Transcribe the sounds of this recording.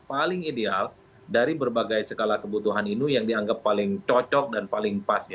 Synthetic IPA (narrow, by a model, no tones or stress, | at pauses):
palɪŋideal | daɾibərbaɡajsəkalahkəbut̪uɦaninijaŋdiaŋɡapːalɪŋt͡ʃɔt͡ʃɔk̚danpalɪŋpasja